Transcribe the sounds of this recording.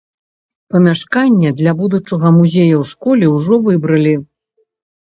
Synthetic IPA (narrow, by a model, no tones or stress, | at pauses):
pɐmʲaʂkanʲːɐd̪lʲabud̪ut͡ʂɐɣɐmuzʲejɐwʂkɔlʲɛwʐɔvɨbɾɐlʲi